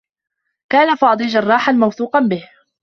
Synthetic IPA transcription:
kaːnafɑːd̪ˤiːd͡ʒɑrˤːɑːħanmawθuːqɑnbɪh

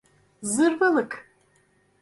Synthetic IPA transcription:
zɨrvɐlɨkʰʼ

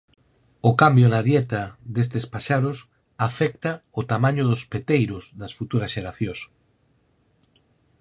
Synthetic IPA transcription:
ʊkambjonaðjɛt̪aðes̬t̪espaʃaɾʊs | afɛkt̪aʊt̪amaɲʊðʊspet̪ejɾʊsðɐsfut̪uɾɐsʃeɾaθjos

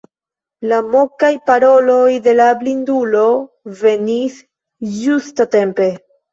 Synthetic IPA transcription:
lamo̞kajpaɾo̞lo̞jde̞lablindulo̞ | ve̞nis | d͡ʒustate̞mpe̞

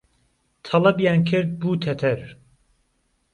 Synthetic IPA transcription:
t̪ʰɑlˠɐbjaːnkʰɪɾd̪̚buːt̪ʰɛt̪ʰɛɾ

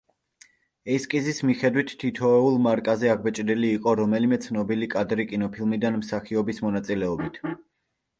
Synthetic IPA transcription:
ɛskʼizismiχɛd̪wit̪ʰːit̪ʰɔɛulˠmaɾkʼazɛaɡ̚bɛt͡ʃʼd̪iliːqʼɔɾɔmɛlimɛt̪sʰnɔbilikʼad̪ɾikʼinɔpʰilˠmid̪anmsaχiɔbismɔnat̪sʼilɛɔbit̪ʰ

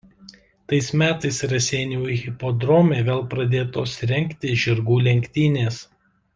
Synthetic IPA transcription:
t̪ɐɪsmʲæːt̪ɐɪsɾɐsʲeːnʲɛʊiɣʲɪpoːd̪ɾɔːmʲeːʋʲeːlˠpɾɐd̪ʲeːt̪oːsɾʲɛŋʲˑkt̪ʲɪʒʲɪɾɡuːlʲɛŋʲkʲt̪ʲiːnʲeːs

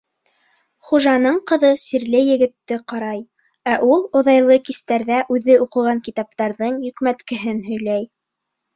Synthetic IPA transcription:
χuʒɑnɤɴqɤ̆ðɤsiɾlɘjɘ̆ɡɘ̆t̪ːɘqɑɾɑj | æʔulˠŏðɑjlˠɤkist̪æɾðæʔʉðɘuqɤ̆ʁɑŋkit̪ɑp̚t̪ɑɾðɤɴjɵ̆kmæt̪kɘ̆ɦɘnɦɵ̆jlæj

